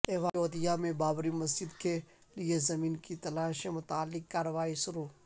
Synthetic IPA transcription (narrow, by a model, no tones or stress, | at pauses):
eːʋaːoːd̪ɪjamẽbaːbɾimɐs̬d͡ʒɪd̪ke | liezɐmĩːnkit̪ɐlaːʃẽmʊt̪aːlːɪkːaːɾəʋaːiʃʊɾuː